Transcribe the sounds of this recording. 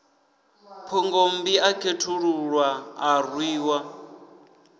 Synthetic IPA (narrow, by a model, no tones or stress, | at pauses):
pʰɔŋɡombiakʰetʰuɺuɺwaːrwiːwa